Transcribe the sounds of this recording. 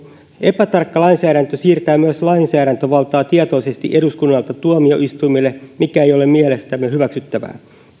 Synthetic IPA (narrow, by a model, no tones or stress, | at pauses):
ʔe̞pæt̪ɑrkːɑlɑinsæːɾænt̪øsiːrt̪æːmyæslɑinsæːɾænt̪øʋɑlt̪ɑːt̪iɑt̪o̞ise̞st̪ḭʔe̞duskunːɑlt̪ɑt̪uomio̞̰ʔist̪ujmilːemikæejo̞lemmielest̪æmːehyʋæksyt̪ːæʋæ̰ː